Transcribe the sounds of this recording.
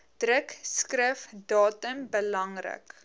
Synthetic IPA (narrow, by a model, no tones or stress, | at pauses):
d̥rəkskrəfdɑːtəmbəlɐŋrə̰k